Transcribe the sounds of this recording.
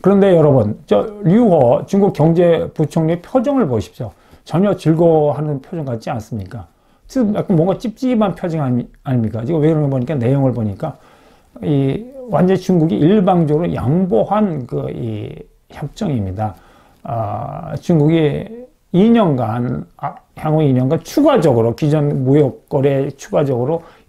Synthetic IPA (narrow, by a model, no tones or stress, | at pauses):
kɯɾʌnde̞jʌɾʌbɯnt͡ɕ͈ʌɾiuwʌt͡ɕuŋɡuk̚k͈jʌŋd͡ʑeput͡ɕʰoŋɲuepʰjod͡ʑʌŋɯɭboɕʰi̥p̚ɕ͈o | t͡ɕʌɲʌt͡ɕiɭɡʌɦanɯnpʰjod͡ʑʌŋkat̚t͡ɕ͈ians͈ɯmɲik͈a | jak͈anmwʌŋɡat͡ɕ͈ip̚t͡ɕ͈iɡimanpʰjʌd͡ʑiŋɦahaɲimɲik͈ad͡ʑiɡʌweɡɯɾʌnɯnboɲik͈ane̞joŋɯɭboɲik͈a | iwand͡ʑʌnt͡ɕuŋɡuɡiʔiɭbaŋd͡ʑʌɡɯɾoja̰ŋboɦankɯḭ | çjʌp̚t͡ɕ͈ʌŋimɲida | t͡ɕuŋɡuɡi | iɲʌnɡanhjaŋoiɲʌnɡant͡ɕʰuɡad͡ʑʌɡɯɾokid͡ʑʌnmojʌk̚k͈ʌɾet͡ɕʰuɡad͡ʑʌɡɯɾo